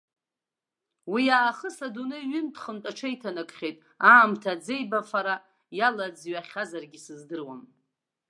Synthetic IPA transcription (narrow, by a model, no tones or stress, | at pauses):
wiaːχəsadunɨɥɪmtʰχəmtʼaʈ͡ʂʰajtʰanakʼχʲejtʼ | aːmtʰad͡zejbafaɾa | jalad͡zɥaχʲazarɡʲisɨzdɨrwam